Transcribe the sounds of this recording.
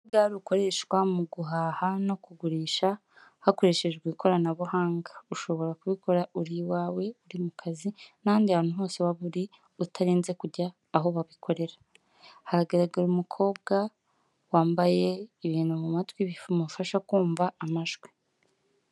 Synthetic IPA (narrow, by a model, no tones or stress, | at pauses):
ɡaːɾuko̞ɾe̞ʃkwamuɡuɦaːhano̞kuɡuɾiːʃa | hako̞ɾe̞ːʃe̞ʒeɾɡwiːkʰo̞ɾanaβuhaːŋɡḁuʃo̞βo̞ɾakuβiko̞ɾauɾiwaːwe̞uɾimukʰazinaːndihaːn̥uɦo̞ːse̞waβuɾi | utʰaɾiːnze̞kuɾɟaː | ɦo̞βaβikʰo̞ɾe̞ɾa | haɾaɡeɾaɡaɾumukʰo̞ːb̚ɡa | waːmbaje̞iβiːnhumumatwiβifumafaʃakuːɱvaːmaʒɡwi̥